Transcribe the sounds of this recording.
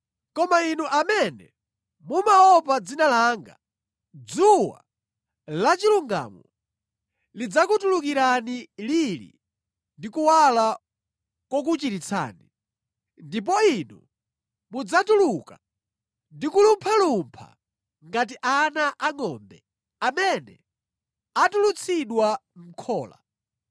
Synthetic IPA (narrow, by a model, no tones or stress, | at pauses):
kɔmainuʔamɛnɛ̰ | mumaɔpad͡zinalaŋɡa | d͡zuwa̰ | lat͡ʃiluŋɡa̰ːmɔ | lid͡zakutuluk̬iɾanililḭ | ndikuwala | kwɔk̬ut͡ʃitit͡sʰa̰ːni | ndip̬ɔinu | mud͡zatuluka | ndikulumpʰalumpʰa̰ | ŋɡat̬iʔanaʔaŋɔmbɛ̰ | amɛnɛ̰ | atulut͡sʰiɗwam̩kʰɔːla̰